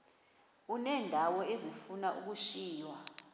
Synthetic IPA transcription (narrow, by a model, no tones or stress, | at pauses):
unɛːndʱawɔezifunaʔṵk̬uʃiːjwa